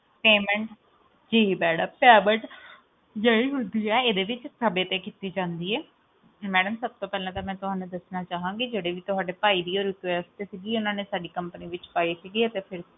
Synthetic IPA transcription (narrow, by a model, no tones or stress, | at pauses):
peːmɛ̃ɳʈ | d͡ʒiːbɛːɽaːpɛːbəʈ | jəiːɦond̪iːɛːeːd̪eːʋɪt͡ʃsəbeːt̪eːkit̪iːd͡ʒãːnd̪iːɛː | mɛːɖəmsəb̚t̪oːpɛːlãːt̪aːmɛ̃ːt̪ʊɦaːnũːd̪əsnaːt͡ʃaːɦãːŋɡiːd͡ʒeːɽeːʋiːt̪ʊɦaːɖeːpaːiːd̪iːoːɾɪt̪ɛːst̪eːsiːɡiːʊnãːneːsaːɖiːkəmpəniːʋɪt͡ʃpaːiːsiːɡiːət̪eːpʰɪɾ